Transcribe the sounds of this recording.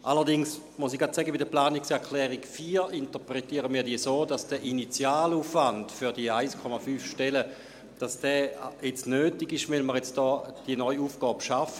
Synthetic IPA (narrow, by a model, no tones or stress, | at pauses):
ʔaləɐʁdɪŋs | musiɡ̥atsɛɡəbidəplaːniksɛɐkʰlɛːʁiɡfiːintəpʁetiːəʁəmiːɐdiːəsoːdasd̥ɛʔinit͡sjaːluːfvantfyɐdiəaɪskʰɔmafyːfʃtɛlə | d̥asd̥ɛːjet͡snøːtiɡɪʃʋɛlməʁjet͡sd̥ɔːd̥iənɔʏuːfɡ̥ɔːbʃafə